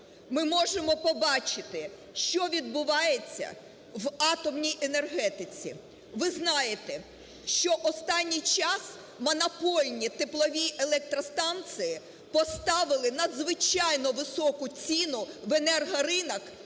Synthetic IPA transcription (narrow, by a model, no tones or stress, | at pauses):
mɪmɔʒemɔpɔbɑt͡ʃɪt̪ɪ | ʃt͡ʃɔʋʲid̪̚bʊʋɑjet͡sʲːɐ̰ | ʋɑt̪ɔmnʲijʔenerɦɛt̪ɪt͡sʲḭ | ʋɪznɑjet̪e | ʃt͡ʃɔʔɔst̪ɑnʲːijt͡ʃɑs | mɐnɐpɔlʲnʲit̪eplˠɔʋʲiʔelˠɛk̚t̪ɾɔst̪ɑnt̪sɨjɪ | pɔst̪ɑʋɪlˠɪnɐd̪zʋɪt͡ʃɑjnɔʋɪsɔkʊt͡sʲinʊʋenɛrɦɐɾɪnɐk